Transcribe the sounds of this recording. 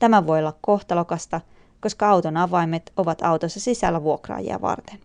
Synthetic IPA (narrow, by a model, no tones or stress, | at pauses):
t̪æmæʋo̞jolːɑkko̞ht̪ɑlokɑst̪ɑ | ko̞skɑɑwt̪onɑʋɑjmet̪o̞ʋɑt̪ɑwt̪osːɑsisæ̰lːæʋuo̞krɑ̰ːjḭɑ̰ʋɑ̰rt̪en